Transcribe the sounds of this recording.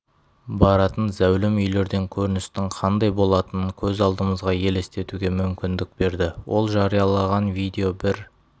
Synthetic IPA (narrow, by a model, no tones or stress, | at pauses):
bɑɾɑt̪ənzæwlɪmʏjle̞ɾd̪e̞ŋkʲʰɵɾɪnɪst̪ɪŋqʰɑnd̪ɑjbo̞lˠɑt̪ənəŋkʲʰɵzɑlˠd̪əməzʁɑje̞le̞st̪e̞t̪uɡʲe̞mʏmkʲɪnd̪ɪk̚be̞ɾd̪ɪwʔo̞lˠʒɑɾijɑlˠɑʁɑnvijd̪e̞o̞bɪɾ